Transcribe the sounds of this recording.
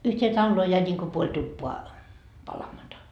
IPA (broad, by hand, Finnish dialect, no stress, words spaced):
yhtʲeː tɑlːoː jæi nʲiŋko puolʲ tupːoɑ pɑlɑmɑtɑ